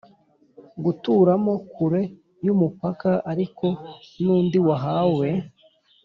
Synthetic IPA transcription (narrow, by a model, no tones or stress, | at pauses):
ɡutuːɾamo̞kʰuɾe̞ | jumupakaʔaɾiko̞nuːndiwaɦawe̞